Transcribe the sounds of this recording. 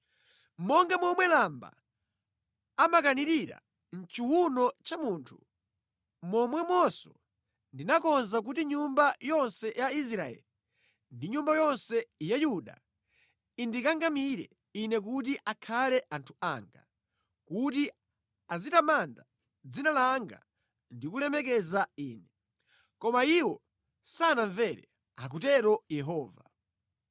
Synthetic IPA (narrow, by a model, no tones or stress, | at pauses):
mɔŋɡamɔmwɛlamba̰ | amakaniɾiɾa̰ | n̩t͡ʃuwunɔt͡ʃamuntʰu | mɔmwɛmɔsɔ | ndinakɔnzak̬utiɲumbajɔnsɛjais̬ɾaɛ̰li | ndiɲumbajɔnsɛjajuɗa̰ | indikaŋɡamiɾɛ | inɛk̬ut̬iʔakʰalɛʔantʰua̰ːŋɡa̰ | kuti | azitamanda | d͡zinalaŋɡa̰ | ndikulɛmɛkɛzaiːnɛ | kɔmaiwɔ | sanaɱvɛɾɛ | ak̬utɛɾɔjɛɦɔːva̰